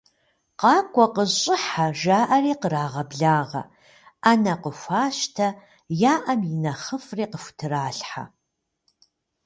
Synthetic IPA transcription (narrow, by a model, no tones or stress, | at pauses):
qɑːkʷʼɔqəɕʼɪħaʒaːʔɐriːqəɾaːʁɐbɮaːʁɐ̰ | anɐqəfʷaːʃtʰɐ | jaːʔɐmjɪnɐχəfreːqəfʷtʰɨɾaːɬħa̰